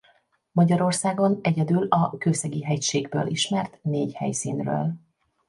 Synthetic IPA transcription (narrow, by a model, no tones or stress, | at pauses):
mɒɟɒɾo̞rsaːɡo̞nɛɟɛd̪ylɒkøːsɛɡiɦɛcʃeːɡbø̰ːlʔiʃmɛrt̪neːɟhɛ̰jsiːnrø̰ːl